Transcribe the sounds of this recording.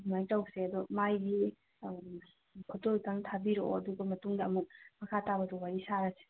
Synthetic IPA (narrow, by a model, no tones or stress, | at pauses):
majtawseɐdɔmajɾi | kʰotojkaŋtʰabiɾo̰ɐduɡɐmɐtuŋdɐɐmuk̚mɐkʰatabɐdɔwaɾisaɾase̥